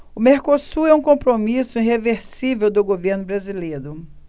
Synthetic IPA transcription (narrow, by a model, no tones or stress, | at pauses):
ʊmeɾkosuɾɛũkõpɾomisʊiɦeveɾsivewd̪ʊɡoveɾnʊbɾazilejɾʊ